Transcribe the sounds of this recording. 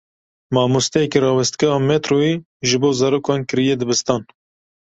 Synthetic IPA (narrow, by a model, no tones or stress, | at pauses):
mɑːmust̪ɛjɛkiɾɑːwɛst̪kɛɑmet̪ɾoːe | ʒɨboːzɑɾoːkɑːnkɨɾijed̪ɨbɨst̪ɑːn